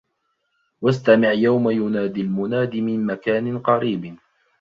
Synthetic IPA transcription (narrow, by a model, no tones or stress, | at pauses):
wast̪amɪʕjawmajʊnaːd̪ilmʊnaːd̪iːmɪnmakaːnɪnqɑɾiːb